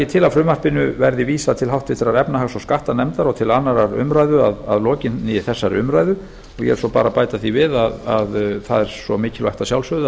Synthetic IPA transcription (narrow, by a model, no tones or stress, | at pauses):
ɪt̪ʰɪlafɾʏːmarpɪnʏvɛɾðɪviːsat̪ʰɪlɦawht̪vɪt̪ɪɾaɾɛpnaɦaɣsɔskaht̪anɛmt̪aɾɔt̪ʰɪlanaɾaɾʏ̰mɾajðʏa̰ða̰ðlɔːcɪnɪθɛsːaɾʏmɾaːjðʏ | ɔɣjɛ̰ɾsɔpa̰ːɾapaːjt̪aθivɪðaða̰ðθa̰ðɛɾ̥sɔmɪːcɪlvajht̪asjawlsvœð